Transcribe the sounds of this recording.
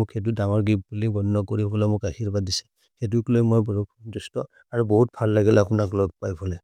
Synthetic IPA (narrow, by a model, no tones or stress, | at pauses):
mʊkxet̬udaŋɔɹɡip̚bulibɔnːɔkoɹibɔlɛmʊkaxiɹbadisɛ̥ | xet̬uklojmojbɔɹukʰzustɔ | aɹuboɦut̚bʱalːaɡilɛapunaklɔɡ̚pajbʰɔlɛ